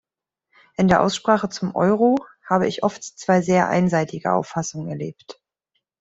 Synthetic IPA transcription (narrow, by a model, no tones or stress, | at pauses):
ʔɪndeːɐʔa̰ʊsʃpʁ̥aːχət͡sʊmʔɔ̰ʏʁohaːbəɪçʔɔftt͡sv̥aɪzeːɐʔa̰ɪnzaɪtʰɪɡə̰ʔa̰ʊfasʊŋənɛɐleːpt